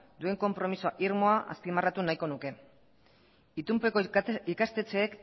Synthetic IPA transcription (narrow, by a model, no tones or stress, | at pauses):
d̪ue̞ŋko̞mpɾo̞misoaʔiɾmo̞aʔa̰spimarat̪unajko̞nuke̞ | it̪umpe̞koikast̪e̞t͡se̞ːk